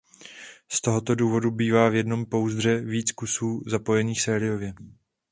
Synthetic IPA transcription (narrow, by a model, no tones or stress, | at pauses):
st̪o̞ɦo̞t̪o̞duːvo̞dubiːvaːvjɛdno̞mpo̞wzd̪r̝ɛviːt͡skusuːzapo̞jɛniːxsɛːɾɪjo̞vjɛ